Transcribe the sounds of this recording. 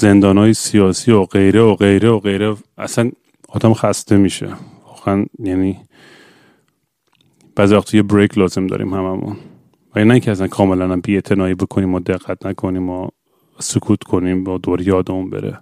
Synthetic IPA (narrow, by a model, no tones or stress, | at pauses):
z̥e̞nd̪ɒːnɒːjesijɒːsiːoɡ̥e̞jɾeoɣe̞jɾeoɣe̞jɾeæ̰sæn | ɒːd̪æmxæst̪e̞miːʃḛvɒːɣeænjæːniː | b̥æːzivæxt̪ʰːjebɾejkʰlɒːze̞md̪ɒ̰ɾḭːmhæmæmṵn | væɡinæiːŋkʰcʰɛæs̬ænkʰɒːme̞lænæmbiːeʔt̪ʰe̞nɒːiːbo̞kʰoniːmɒd̪e̞ɣːæt̪nækʰo̞niːmɒ | sokʰuːt̪ʰkʰo̞niːmbɒːd̪oːɾejɒːd̪emunbḛɾḛ